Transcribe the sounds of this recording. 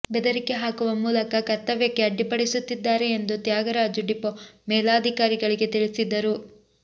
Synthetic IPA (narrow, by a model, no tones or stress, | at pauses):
bɛd̪ɐɾike̞ɦaːkuʋɐmuːlɐkɐkɐɾt̪ːɐʋjekːeɐɖːipɐɽisut̪ːid̪ːaːɾe̞ːnd̪ut̪jaːɡɐɾad͡ʒuɖipomɛːlaːd̪ʱikaːɾiɡɐɭiɡe̞t̪iɭisid̪ːɐɾu